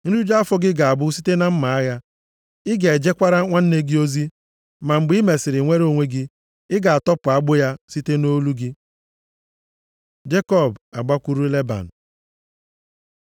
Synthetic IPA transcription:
n̩˦ɾu˦d͡ʒa˦fɔ˦ɡɪ˦ɡa˨a˨bʊ˦si˦te˦na˦m̩˦ma˨a˦ja˦ | ɪ˦ɡe˨e˨d͡ʒe˦kʷa˦ɾa˦ŋʷa˦n̩˦ne˦ɡi˦o˦zi˦ | ma˨ŋ͡m̩˨ɡ͡bi˦me˨sɪ˨ɾɪ˨ŋʷe˦ɾo˦˨ŋʷe˦ɡɪ˦ | ɪ˦ɡa˨a˨tɔ˦pʊ˨a˦ɡ͡bʊ˦ja˦si˦te˦no˦lu˦ɡɪ˦ | d͡ʒe˦kɔ˦˨ba˨ɡ͡ba˦kʷu˦ɾu˦le˦ba̰˨n̩˨

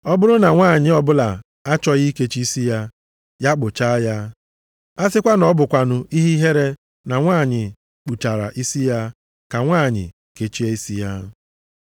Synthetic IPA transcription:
ɔ˦bʊ˦ɾʊ˦na˨ŋʷaː˦˨ɲɪ˨ɔ˦bʊ˦la˨ | a˦t͡ʃɔ˦ɣi˦ke˦t͡ʃi˦i˦si˦ja˦ | ja˦k͡pʊ˨t͡ʃa˦ja˦ | a˦sɪ˦kʷa˦nɔ˦bʊ˨kʷa˨nʊ˨ʔi˦ɦi˦ɦe˦ɾe˦ | na˨ŋʷaː˦˨ɲɪ˨ | k͡pu˨ta˨ɾa̰˨ʔi˦si˦ja˦ | ka˨ŋʷaː˦˨ɲɪ̰˨ | ke˨t͡ʃi˦e˦i˦si˦ja˦

